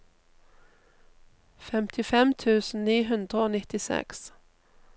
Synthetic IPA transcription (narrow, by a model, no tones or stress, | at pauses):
fɛmt̪ʰɪfɛmt̪ʰʉːsn̩niːɦʉnd̪ʁəoːnɪt̪ɪsɛ̰ks